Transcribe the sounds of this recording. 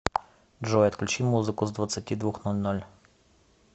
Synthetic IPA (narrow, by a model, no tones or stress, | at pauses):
dʐojɐt̪klʲʉt͡ɕimːuzɨkʊzd̪vɐt̪sɨtʲid̪vuxnolʲnolʲ